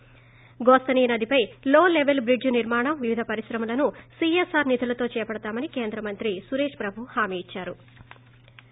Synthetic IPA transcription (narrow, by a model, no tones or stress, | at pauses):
ɡoːst̪ɐniːnɐd̪ipɐjloːleʋelbɾid͡ʒniɾmaːɳɐmʋiʋid̪ʱɐpɐɾisɾɐmɐlɐnusiesaːɾnit̪ʰulɐt̪o̞ːt͡ʃɛːɐpɐɽɐt̪aːmɐnike̞ːnd̪ɾɐmɐnt̪ɾisuɾeːʂpɾɐbʱuhaːmiːt͡ʃːaːɾu